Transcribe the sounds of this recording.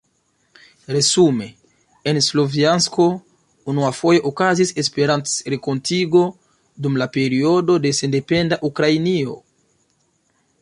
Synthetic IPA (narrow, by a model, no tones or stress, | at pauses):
ɾe̞zume̞ | enslo̞viansko̞ | unuafo̞joʔokazise̞spe̞ɾant͡sɾeko̞ntiɡo̞ | dumlape̞ɾio̞do̞de̞se̞nde̞pe̞ndaʔukɾainio̞̰